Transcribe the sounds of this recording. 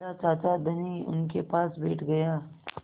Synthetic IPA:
at͡ʃaːt̪ad̪ɐniʊ̰nkepaːsbɛːʈʰɡɐjaː

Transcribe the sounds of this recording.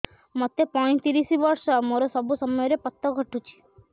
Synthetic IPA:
mət̪ːepɔɽ̃ĩt̪iɾisiʋəɾʃəmɔɾosəbʱusəməjɾepət̪ːəɡʱəʈũt͡ʃʰi̥

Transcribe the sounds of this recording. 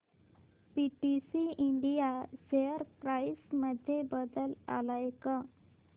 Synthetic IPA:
piʈisiiɳɖijaseəɾpɾaisməd̪ʱːjebəd̪əla̰lajka

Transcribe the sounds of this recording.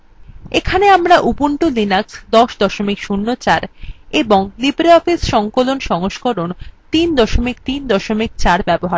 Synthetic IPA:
ekʰaneamɾaʔupuɳʈulinaksd̪ɔʃd̪ɔʃomikʃunːot͡ɕaɾeboŋlibɾeɔfisʃɔŋkolonʃɔŋoʃkoɾont̪ind̪ɔʃomik̚t̪ind̪ɔʃomik̚t͡ɕaɾbɛboɦa

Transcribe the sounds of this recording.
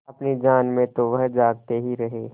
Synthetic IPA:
ɐpnid͡ʒaːnmẽt̪oʋɐɦd͡ʒaːɡ̚t̪eɦiɾɐɦeː

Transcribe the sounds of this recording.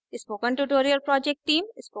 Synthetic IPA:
ɪspoːkə̃nʈuʈoːɾiəɾpɾɔːd͡ʒek̚ʈʈːĩːmɪspo

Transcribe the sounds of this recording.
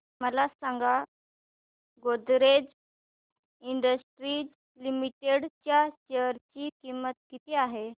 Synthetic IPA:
məlasãŋɡa | ɡod̪ɾed͡z | iɳɖəsʈɾiːd͡z | limiʈeɽt͡ɕjat͡ɕeəɾt͡ɕiːkimət̪̚kit̪iaɦe

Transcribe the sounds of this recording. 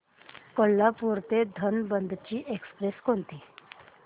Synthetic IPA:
koɭːapuɾt̪ed̪ʱənbənd̪t͡ɕiːʔekspɾeskont̪iː

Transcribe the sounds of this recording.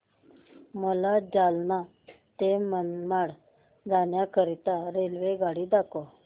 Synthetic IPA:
məlad͡zalna | t̪emənmaɽ | d͡zanjakəɾit̪aɾelʋeɡaɽiːd̪ako

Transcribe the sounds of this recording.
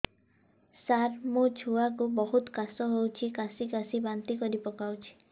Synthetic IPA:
saɾmod͡ʒʰʱuwakubɔɦut̪kasɔɦowt͡ʃʰikasikasibant̪ikɔɾipɔkawt͡ʃʰi̥

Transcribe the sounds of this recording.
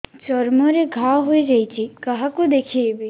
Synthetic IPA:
t͡ʃɔɾmoɾeɡʱaʋɦoid͡ʒait͡ʃʰikəɦakud̪ekʰiebi

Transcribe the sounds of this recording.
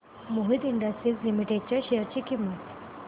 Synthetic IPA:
moɦit̪iɳɖəsʈɾiːslimiʈeɖ̚t͡ɕjaɕeəɾt͡ɕikimːət̪

